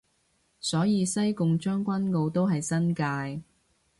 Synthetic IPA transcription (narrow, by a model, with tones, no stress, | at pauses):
sɔː˨˥jiː˧sɐ˥jkʊ˨ŋt͡ʃœː˥ŋkʷɐ˥nko˧wt̪o˥wɦɐ˨jsɐ˥nkaː˧j